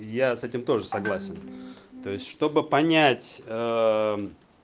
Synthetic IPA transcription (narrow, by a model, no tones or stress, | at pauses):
jasɛtʲɪmt̪o̞ʐɨsɐɡlˠasʲɪnt̪o̞jɪsʲtʲʂt̪o̞bɨpɐnʲætʲə